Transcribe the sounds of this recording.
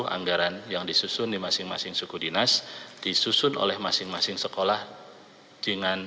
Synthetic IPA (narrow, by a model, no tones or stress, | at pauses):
ha̰ŋɡaɾanjaŋdisusʊndimasɪŋmasɪŋsukudinasd̥isusʊno̰lɛhmasɪŋmasɪŋsəkolah | d͡ʒ̥əŋan